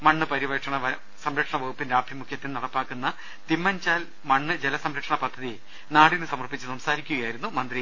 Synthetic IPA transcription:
mɐɳːɨpɐɾiʋɐʈʂɐɳɐʋɐ | sɐmɾɐkʂɐɳɐʋɐɣupːinɾaːbʰʱimukʰjɐt̪ːinnɐɽɐpːaːkːunːɐ | t̪imːɐnd͡ʑaːl | mɐɳːɨd͡ʑelɐsɐmɾɐkʂɐɳɐpɐd̪ʱːɐði | naːɽinːɨsɐmɐrpːit͡ɕːɨsɐmsaːɾikʲːuɣɐjaːjiɾunːumɐnd̪ri

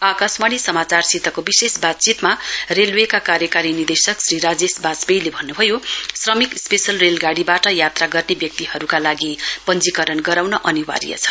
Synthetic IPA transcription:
akasmaɽ̃isʌmat͡sarsit̪ːʌkobisesbat̪̚t͡sit̪marelwekakaɾjʌkaɾinird̪esʌksriɾad͡zesbasbejlebʱʌnːubʱʌjosrʌmikspesʌlrelɡaɽibaʈʌjat̪raɡʌrnebjʌk̚t̪iɦʌɾukalaɡipʌnd͡zikʌɾʌnɡʌɾawnʌʔʌniwa̰ɾḭjʌ̰t͡sʰʌ̥

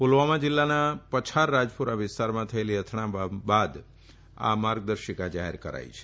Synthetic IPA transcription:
polʋamãd͡ʒɪlːanapət͡ʃʰaɾːad͡ʒpuɾaʋɪst̪aɾmãt̪ʰəeliɦət̪ʰɳãbad̪ | a̰maɾɡ̚d̪əɾʃikad͡ʒaɦḛɾkəɾa̰jit͡ʃʰe̥

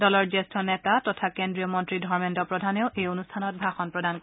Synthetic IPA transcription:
dɔlɔɹd͡ʒestʰɔnɛtatɔtʰakendɹiɔmɔntɹidʱɔɹmentɔpɹɔdʱaneʊʔejonustʰanɔt̚bʱaxɔnpɹɔdank

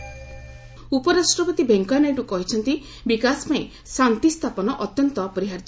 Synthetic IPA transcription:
upɔɾasʈɾɔpɔt̪ibeŋkaneʈukɔɦit͡ʃʰɔnt̪i | bikaspaẽ | sant̪ist̪ʰapɔnɔʔɔt̪jɔnt̪ɔpɔɾiɦaɾd͡ʒ

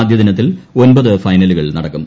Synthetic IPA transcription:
d̪ʱjɐðinɐt̪̬ːilo̞nbɐðɨfɐjnɐluɣɐɭnɐɽɐkːum

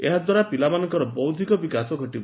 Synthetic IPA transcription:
eɦad̪waɾapilamanɔŋkɔɾɔbɔwd̪ʱikɔbikasɔɡʱɔʈibɔ

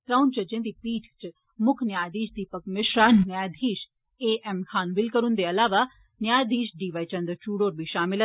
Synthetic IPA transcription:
t̪ɾawnt͡ʃɐd͡ʒẽnd̪iːpiːʈʰt͡ʃ | mʊkʰnjaːjd̪iːʃd̪iːpəkmeʃɾaːnnjaːjd̪ʱiːʃ | eːʔɛmkʰaːnʋɪlkɐɾund̪eɐlaːʋa | njaːjd̪iːʃɖiːʋajt͡ʃɐ̃nd̪ɾt͡ʃuːɽoːɾbʱiʃaːmɪl

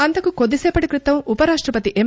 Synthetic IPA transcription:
ɐnt̪ɐkukod̪ːisɛːpɐʈikɾit̪ːɐmupɐɾaːʂʈɾɐpɐt̪iʔem

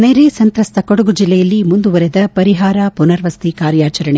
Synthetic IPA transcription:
nejɾesɐnt̪ɾɐst̪ʰɐkoɽɐɡud͡ʒilːɛjɐlːimund̪uʋɐɾed̪ɐpɐɾiɦaːɾapunɐɾʋɐst̪ikaːɾjaːt͡ʃɐɾɐɳe

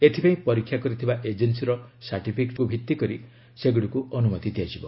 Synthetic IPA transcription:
et̪ʰipaĩpɔɾikʰːjakɔɾit̪ʰibaʔed͡ʒensiɾɔsaʈipʰikʈkubʱit̪ːikɔɾi | seɡuɽukuʔɔnumɔt̪id̪ijad͡ʒibɔ

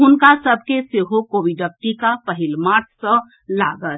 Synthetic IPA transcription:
ɦʊnkasəbʱkeseɦokobiɖək̚ʈikapəɦilmaɾʈʰsə̃ | laɡət̪

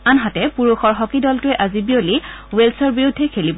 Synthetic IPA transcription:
anɦatɛpuɹuxɔɹɦɔkidɔltʊɛʔazibioliwelsɔɹbiudʱːɛkʰelibɔ

